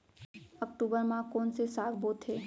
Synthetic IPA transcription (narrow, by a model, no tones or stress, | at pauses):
əkʈuːbəɾmãkoːnsesaːɡboːt̪ɦeː